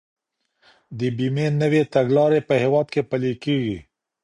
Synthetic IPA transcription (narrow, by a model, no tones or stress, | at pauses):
d̪əbimenəwet̪aɡlɑɾepəhewɑd̪̚kepəlekeɡḭ